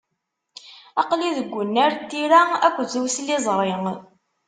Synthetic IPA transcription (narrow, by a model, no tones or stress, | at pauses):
ɑqliðəɡʷːʊnːæɾt̪ːiɾæækʷːzuwslizˤɾˤeŋ